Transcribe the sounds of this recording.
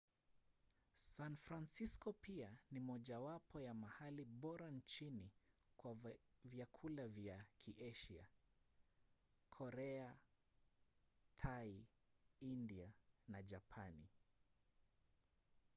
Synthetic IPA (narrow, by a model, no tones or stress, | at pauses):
sanfɾansiskɔpianimɔʄawapɔjamahaliɓɔɾant͡ʃinikwavjakʰulavjakʰiʔɛʃia̰ | kʰɔɾɛa | tʰai | indianad͡ʒapʰani